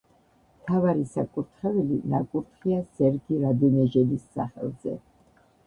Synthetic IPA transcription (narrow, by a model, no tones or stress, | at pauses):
mt̪ʰavaɾisakʼuɾt̪ʰχɛvɛlinakʼuɾt̪ʰχiasɛɾɡiɾad̪ɛnɛʒɛlisːa̰χɛ̰lˠzɛ̰